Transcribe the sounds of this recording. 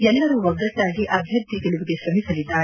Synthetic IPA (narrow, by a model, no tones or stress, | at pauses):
ɛlʋɐɾuʋɐɡɾɐt̪ːaːɡiʔɐbʱjɐɾd̪ʱit̪iɭuʋiɡeʃɾɐmisɐlid̪ːaː